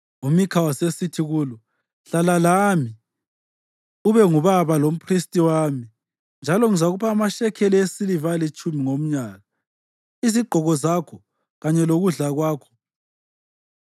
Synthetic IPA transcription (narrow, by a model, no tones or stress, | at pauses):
umikʰawasesitʰiɣuːlɔ | ɬalalami | uβɛŋuβaβalom̩pʰristʼiwami | nd͡ʒʱalɔŋizaɣupʰaːmaʃɛkʰɛliesilivalit͡ʃʼumiŋom̩ɲaːɣa | iziɡ͡ǃʱɔɣɔzakʰɔ | ɣaɲɛloɣuɮaɣwaːkʰɔ̥